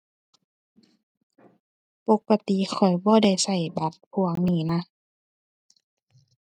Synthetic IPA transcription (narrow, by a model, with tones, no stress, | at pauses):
po˧˦kːa˧t̪i˧˨xʰɔ˨˩jbɔː˧˦da˧˩jsa˧˩jba˧˦t̪̚pʰu˧˦ɐ˦ŋniː˧˩˦na˧˨